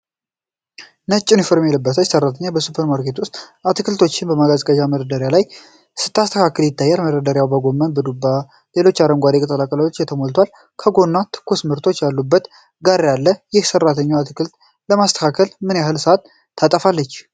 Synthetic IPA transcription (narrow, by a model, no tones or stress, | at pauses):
nət͡ʃʼːinifoɾmjelɨbːət̪ʰəsərːat̪ʰəɲːabəsupʰəɾmaɾkʰet̪wʊst̪ʼʔat̪ʰɨkʰɨlt̪ʰo̞t͡ʃːɪnbəmaɡazkʼəd͡ʒaməɾəd̪əɾjalaj | sɨ̥t̪ʰːast̪ʰəkʰakʰəljɪt̪ʰːajːalməɾəd̪əɾjawbəɡo̞mːənbəd̪ubːa | le̞lo̞t͡ʃːaɾəŋɡʷad̪ekʼət̪ʼːəlakʼələot͡ʃːjɛt̪ʰəmolt̪ʰwal | kʰəɡo̞nːat̪ʰɨ̥kʰːusmɨɾt̪ʰo̞t͡ʃːjalːubːət̪ | ɡaɾjalːəjɪhsərːat̪ʰəɲːawat̪ʰɨkʰɨlt̪ | ləmast̪ə̥kʰakʰəlmɨnjaɦɨlsəat̪ʰː | at̪ʼəfalːət͡ʃː